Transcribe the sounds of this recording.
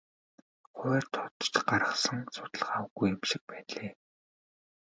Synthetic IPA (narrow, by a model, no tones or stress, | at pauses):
χʊːrt̪ʰɔ̥t̪̆t͡ɕɢaɾə̆χsə̆ŋsʊ̥t̪̆ɮə̆χawəɣujamʃɪ̆k̚pæːɮeː